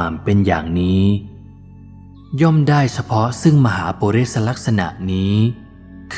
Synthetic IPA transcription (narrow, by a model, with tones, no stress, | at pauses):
a˧˩mpe˧nja̰ː˨˩ŋniː˦˥ | jɔ˥˩mdaː˥˩jt͡ɕʰa˧pʰɔ˦˥sɯ˥˩ŋma˧ɦaː˩˦poː˧ɾeː˥˩t̪̚sa˧la˦˥k̚sa˧na̰˨˩ʔniː˦˥ | kʰ